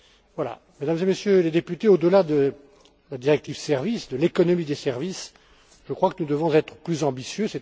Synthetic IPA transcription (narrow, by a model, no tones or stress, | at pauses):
vwala̰ | med̪amzemesjøled̪epyt̪eod̪əlad̪ə | lad̪iʁɛk̚t̪ivsɛʁvisd̪əlekɔnɔmid̪esɛʁvis | ʒəkχwakənud̪əvɔ̃zɛt̪χəplyzɑ̃bisjøsɛ